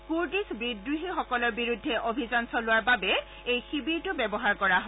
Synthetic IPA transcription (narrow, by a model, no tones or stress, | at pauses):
kuɹdisbidɹuɦixɔkɔlɔɹbiɹudʱːɛʔobʱizansɔlʊwaɹbabɛ | ejxibiɹtʊbɛbɔɦaɹkɔɹaɦɔ